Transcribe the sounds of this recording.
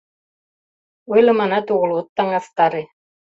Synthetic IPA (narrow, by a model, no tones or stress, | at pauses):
ujlˠɤ̆mɑnɑt̪uʁɤ̆lˠut̪ːɑŋɑst̪ɑɾɘ